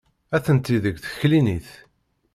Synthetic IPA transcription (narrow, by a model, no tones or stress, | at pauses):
æθənt̪iðəɡʷθə̥çliniθ